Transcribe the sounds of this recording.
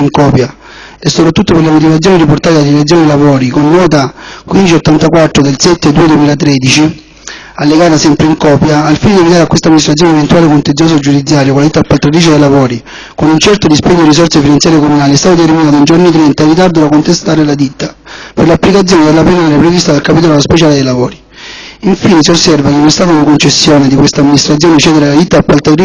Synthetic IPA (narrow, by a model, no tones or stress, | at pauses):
ŋkɔːpja | esːopɾat̪ːut̪ːoperlemot̪̬ivat̪sjɔːniriport̪aːt̪ead̪ilet̪sjɔːnilavɔːɾikonːɔːt̪akwind̪it͡ʃiot̪ːant̪akwat̪ːɾod̪elsɛt̪ːed̪ːuːed̪wemiːlat̪ɾɛːd̪it͡ʃi | alːeɡaːt̪asɛmpɾeiŋkɔːpjaːlfined̪ievid̪aɾakːwest̪amːinist̪ɾat̪sjɔːnevent̪uwaːlekont̪ensjɔs̬od͡ʒud̪it̪sːjaːɾjokolad̪it̪ːapːalt̪ɾad̪iːt͡ʃed̪ejlavɔːɾi | konunt͡ʃɛrt̪od̪ispɛkːod̪iris̬ɔrtsefinant̪jaːɾjekomunaːliɛst̪aːt̪ot̪erminaːt̪oind͡ʒorniet̪ɾɛnt̪airːit̪̬ard̪olakont̪est̪aːɾelad̪it̪ːaperlapːlikat̪sjɔːned̪elːaplenaːɾjapɾevist̪ad̪alkapit̪ɔlaospet͡ʃaːled̪ejlavoːɾi | iɱfiːnesiosːɛrvakenːonɛst̪aːt̪auiŋkont͡ʃesːjoːned̪ikwest̪aːmːinist̪ɾat̪s̬ʲjɔːnet͡ʃɛːd̪eɾalad̪it̪ːapːalt̪at̪ɾi